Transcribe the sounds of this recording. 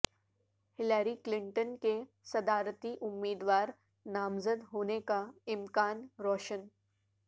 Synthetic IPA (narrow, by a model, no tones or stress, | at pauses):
hɪlaːɾiklɪ̃ɳʈənke | sɐd̪aːɾt̪iʔʊmːiːd̪ʋaːɾ | naːmzəd̪ɦoːnekaɪmkaːnɾɔːʃən